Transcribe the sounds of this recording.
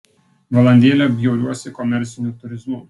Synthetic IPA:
ʋɐlˠɐnʲd̪ʲeːlʲɛbʲjɛʊɾʲuɔsʲɪkɔmʲɛɾʲˑt̪sʲɪnʲut̪ʊɾʲɪzmʊ

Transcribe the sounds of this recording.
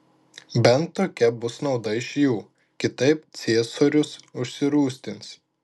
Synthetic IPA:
bʲɛnt̪ːoːkʲɛbʊsnɒʊd̪ɐɪʃjuː | kʲɪt̪ɐɪpt̪sʲeːsoːɾʲʊsʊʃʲsʲɪɾuːsʲt̪ʲɪns

